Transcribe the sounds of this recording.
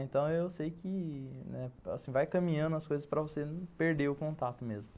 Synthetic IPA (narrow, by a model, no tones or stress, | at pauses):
ẽnt̪ɐ̃w̃ewsejkɪnɛa̰sĩvajkɐ̃mĩɲɐ̃nd̪ʊɐskojzɐspɾɐvosepeɾd̪eɾʊkõnt̪at̪ʊmezmʊ